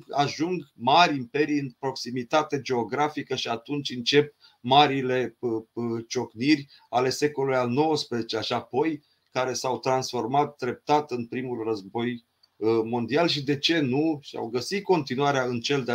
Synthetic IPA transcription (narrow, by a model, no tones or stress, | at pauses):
aʒuŋɡmaɾʲimpe̞ɾijɨnpɾo̞ksimit̪at̪e̞d͡ʒe̞o̞ɡɾafikəʃiat̪unt͡ʃʲɨnt͡ʃe̞p̚ | maɾile̞ | t͡ʃo̞knirʲ | ale̞se̞ko̞lujalno̞wəspɾezet͡ʃeʃiapo̞j | kaɾe̞sawt̪ɾansfo̞rmat̪̚d̪ɾe̞p̚t̪at̪ɨnpɾimulrəzbo̞j | mo̞nd̪ialʃ̬id̪e̞t͡ʃe̞nuʃia̰wɡəsit̪̚ko̞nt̪inuaɾeaɨnt͡ʃe̞ld̪